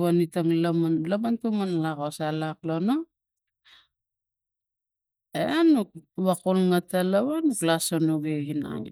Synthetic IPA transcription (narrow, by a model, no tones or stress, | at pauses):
wanitaŋlamanlamantumanlakosalaklono | eanuk̚βakolŋatalaβanuklasonoɡehina̰ŋḭ